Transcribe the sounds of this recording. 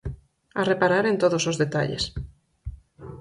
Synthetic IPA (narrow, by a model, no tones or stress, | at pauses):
arepaɾaɾent̪oðosozðet̪a̰ʎḛs